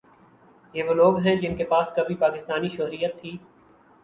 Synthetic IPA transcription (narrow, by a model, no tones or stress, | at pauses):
jeʋoloːɡɦɛ̃d͡ʒɪnkepaːskɐbʱipaːkɪst̪aːniʃoɦɾijət̪ʰːiː